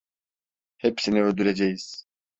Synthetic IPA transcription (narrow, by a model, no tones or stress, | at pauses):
hepsiniøld̪yɾed͡ʒejiz̥